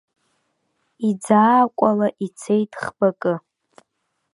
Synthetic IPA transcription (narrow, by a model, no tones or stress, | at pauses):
id͡zaːkʷʼalaʔit͡sʰe̞jtʰʼχbakʼɨ